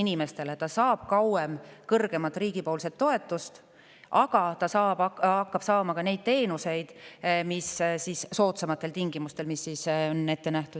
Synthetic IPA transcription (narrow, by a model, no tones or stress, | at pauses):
inime̞st̪e̞le̞t̪ɑsɑːb̥̚kɑwemkɤrɡ̥e̞mɑt̪ːˑriːɡ̥ipo̞ːlse̞t̪ːo̞e̞t̪ːˑust̪ | ʔɑɡ̥ɑt̪ɑsɑːbɑɑkːɑb̥sɑːmɑkɑne̞jd̪̥̚t̪e̞ːnuse̞jd̪̥missisːo̞ːt̪semɑt̪ːˑe̞lt̪iŋɡ̥imust̪e̞lmisːisone̞t̪ːenæht̪u̥